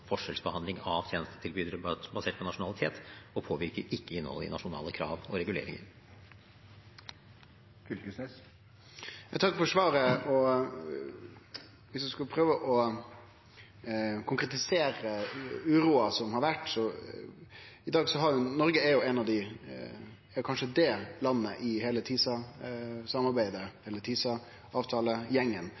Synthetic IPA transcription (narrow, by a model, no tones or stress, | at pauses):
fɔʂɛlsbəhɑnd̪lɪŋɑʋt̪ʰjeːnəst̪ə̥t̪ʰɪlbyːd̪əɾbɑseːʈ̚pɔnɑʂʊnɑlɪt̪ʰeːt̪ɔpʰoːʋɪɾkəɾɪkːəɪnːhɔ̰lːɪ̰nɑʂʊnɑ̰ːləkʰɾɑ̰ːʋɔɾɛɡʉlḛːɾɪ̰ŋə̰ɾ | fʏksnes | jɑt̪ʰɑkːfɔʂʋɑːɾəɔ | ʋɪsd̪ʉskʉlpʰɾøːʋəʔɔ | kʰʊŋkɾɛt̪ɪseːɾəʉːɾuːɑsɔmhɑɾʋæʈːsɔ | ɪd̪ɑːɡsɔɦɑɾjʊnɔɾɡəɛɾjʊɛnɑʋd̪ɪ | ɛɾjʊkʰɑnʂəd̪ɛlɑnːə̰ʔɪɦeːlət̪ʰiːsɑ | sɑmɑɾbæɪd̪əɛlːəɾt̪ʰiːsɑ | ɑːʋt̪ʰɑːləjɛŋːən